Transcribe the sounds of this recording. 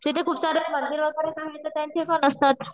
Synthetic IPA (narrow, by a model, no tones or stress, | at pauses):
d͡ʑit̪ʰekʰuːpsaɾemənd̪iɾʋəɡaɾesaɦet̪əɾt̪jãnt͡ɕekənəst̪at̪̚